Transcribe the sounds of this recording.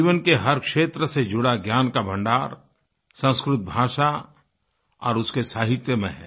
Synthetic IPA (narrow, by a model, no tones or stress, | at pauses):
iːʋənkeɦɐɾkʃeːt̪ɾəsed͡ʒʊɽaɡjaːnkabʱɐ̃ɳɖaːɾ | sə̃skɾʊt̪̚bʱaːʃa | ɔ̰ːɾʊskesaːɦɪt̪jəmẽɦɛ̰ː